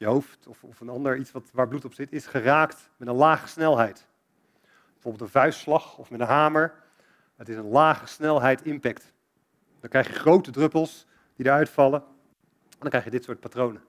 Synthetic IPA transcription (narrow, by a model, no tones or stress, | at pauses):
jəɦowftɔfɔfənɑndəɹitsʋɑtʋaːɹblutɔpsɪtɪsχəraːkt | mɛtənlaːχə̥snɛlˠɦɛjt | bəvoːbɪlˠtə̃nvœɥsslɑχɔfmɛtənɦaːməɹ | ɦətɪsənlaːχəsnɛlˠɦɛjtɪmpɛkt | ndɑŋkrɛjχjəχrowtədrɵpəlˠs | d̥idəɹœɥtfɑlə | ɛndɑŋkrɛjχjədɪtsʊːɹt̚patrownə